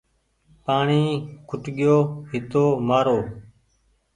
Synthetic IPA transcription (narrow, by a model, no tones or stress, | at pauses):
paːɳiːkʰʊʈɠɪjoːɦɪt̪oːmaːɾoː